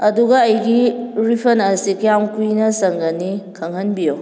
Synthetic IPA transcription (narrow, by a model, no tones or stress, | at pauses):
ɐduɡɐːjɡiɾipʰɐnɐsikijamkujnɐsɐŋɡɐnikʰɐŋhɐnbijo